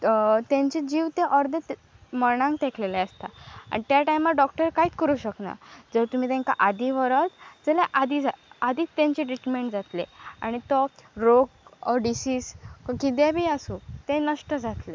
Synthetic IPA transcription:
t̪jãɲt͡ɕed͡ʑiːʋt̪eʔɔɾd̪ət̪ | məɳ̃ãŋkt̪ekʰleleəst̪a̰a̰ɽit̪jaʈajmaɖɔk̚ʈəɾkaiːt͡skəɾuːɕəkna̰d͡zəɾt̪um̤iːt̪ẽŋka̰ʔad̪ʱiʋəɾət͡sd͡zəleʔad̪id͡zaad̪iːt͡st̪ːãɲt͡ɕeʈɾiʈɾmeɳʈd͡zat̪lḛa̰ɽ̃it̪ɔɾokɔɖisiːskkid̪jabʱiːasut̪ẽnəʂʈəd͡zat̪le

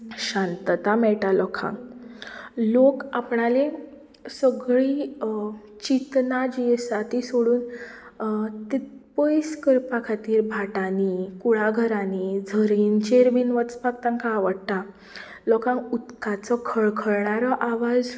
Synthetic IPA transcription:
ɕãnt̪t̪amɛɭʈalɔkʰã̰ŋ | lokapɳalẽ | səɡɭiː | t͡ɕit̪nad͡ʑisat̪isoɽuːn | t̪it̪pəjskəɾpakʰat̪iːɾbʱaʈanikuɭaɡʱəɾanid͡zʱəɾint͡ɕeɾbiːnʋət͡spak̚t̪ãŋkaʋəɽt̪a | lɔkʰãŋut̪kat͡sɔkʰəɭkʰəɭɳaɾɔʔaʋad͡z

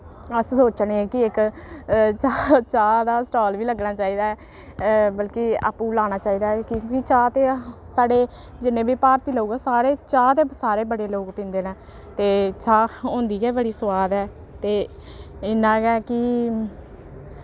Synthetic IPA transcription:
əssoːt͡ʃneːɛːkɪɪk | t͡ʃat͡ʃaːd̪aːsʈoːlʋiːləɡnaːt͡ʃaːiːd̪aːɛː | bəlkia̰ːpũːlaːñaːt͡ʃaːiːd̪aːɛkiõkɪt͡ʃaːt̪eːsaːɽeː | d͡ʒɪnẽːbiːpaːɾt̪iːlouːɡaːsaːɾeːt͡ʃaːt̪eːsaːɾeːbəɽeːloːkpɪ̃ːnd̪eːnãː | t̪eːt͡ʃaːõːnd̪iːkɛːbəɽiːsəwaːd̪ɛː | t̪eː | ɪnːãːɡɛːkɪ

